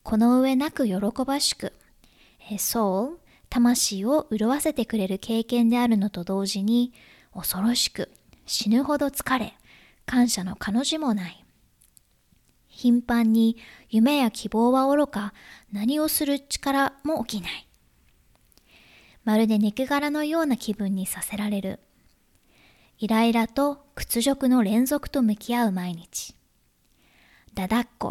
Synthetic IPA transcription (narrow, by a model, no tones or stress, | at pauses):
kʰo̞no̞ɯ̟e̞nakɯ̟jo̞ɾo̞ko̞baɕi̥kɯ̟ | so̞ː | t̪amaɕiːo̞ʔɯ̟ɾoβase̞t̪e̞kɯ̟ɾe̞ɾɯ̟kʰe̞ːkẽ̞nd̪e̞aɾɯ̟no̞t̪o̞d̪o̞ːʑiɲ̟i | o̞so̞ɾo̞ɕi̥kɯ̟ | ɕinɯ̟ɦo̞d̪o̞t͡sɨ̥kaɾe̞ | kãɰ̃ɕano̞kano̞ʑimo̞nai | çĩmpãɲ̟ːijɯ̟me̞jakʲʰibo̞ːβao̞ɾo̞kanaɲ̟io̞sɨɾɯ̟t͡ɕi̥kaɾamo̞ːkʲinai | maɾɯ̟d̪e̞ɲ̟ikɯ̟ɡaɾano̞jo̞ːnakʲibɯ̟̃ɲ̟ːisase̞ɾaɾe̞ɾɯ̟̰ | iɾaiɾat̪o̞kɯ̟̥t͡sɨʑo̞kɯ̟no̞ɾẽ̞ñzo̞kɯ̟̥t̪o̞mɯ̟kʲiaɯ̟maiɲ̟it͡ɕi̥ | d̪̥ad̪akːo̞̰